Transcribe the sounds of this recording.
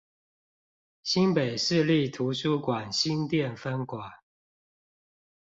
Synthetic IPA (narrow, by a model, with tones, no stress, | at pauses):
ɕi˦npe˨˩ɪʂɻ̩˥˧li˥˨t̪ʰu˧˥ɕu˥kwa˨˩nɕi˦˥nt̪jɛ˥˨nfə˦˥nkwa˨˩˦n